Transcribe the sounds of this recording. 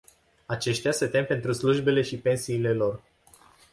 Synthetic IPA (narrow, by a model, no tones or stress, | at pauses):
at͡ʃe̞ʃt̪easet̪e̞mpe̞nt̪ɾusluʒbe̞le̞ʃipe̞nsiːle̞lo̞r